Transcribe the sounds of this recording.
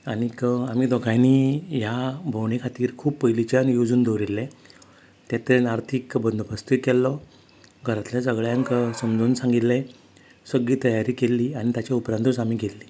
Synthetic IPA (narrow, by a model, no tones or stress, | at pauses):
aɽ̃ikəamiːd̪ɔɡʱajniːjabʱəwɳekʰat̪iːɾkʰuːppəjlit͡ɕjanjod͡zuːnd̪oɾilːɛ̃ | t̪ɛt̪enaɾt̪ʰikbənd̪ʱbəst̪ikɛlːɔ | ɡʱəɾat̪ljasəɡɭjãŋksəmd͡zuːnsãŋɡit̪lɛ̃ | səɡliːt̪əjaɾiːkelːiañit̪jat͡ɕjaupɾand̪usamiːkelːi